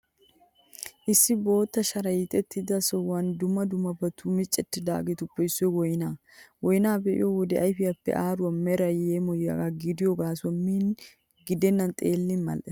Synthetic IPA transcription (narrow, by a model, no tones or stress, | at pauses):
ʔɪsːɪbo̞ːt̪ːɐʃɐɾɐjɪt̪ʼɛt̪ːɪd̪ɐsɔwɐnd̪ʊmːɐd̪ʊmːɐbɐt̪ʰʊmɪt͡ʃʼːɛt̪ːɪd̪a̰ːɡɛt̪ʊpːɛɪsːɔjwɔjɪnaː | wɔjnaːbɛʔɪ̰jowɔd̪ɛʔɐjfɪjɐpːɛ̰ʔaːɾʊɐmɛɾɐjeːmɔjɐɡaɡɪd̪ɪjɔɡaːswɔmːiːn | ɡɪd̪ɛnːɐnt̪ʼeːlːɪnmɐ̰lʔɛ